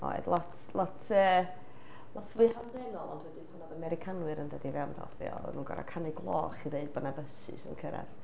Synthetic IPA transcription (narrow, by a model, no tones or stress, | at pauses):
ɔ̰ɨðlˠɔtʰlˠɔtʰəː | lˠɔtʰvʊɨhandɛnɔlˠɔndwɛdɪmpʰanɔvamɛɾɪkʰanwɨɾəndadivɛwnða̰rðḭɔ̰ə̰nuːnɡɔ̰ɾʔa̰kʰanɪɡlˠɔːχiðeɨd̚bənavəsɨ̰sənkʰəɾɛ̰ð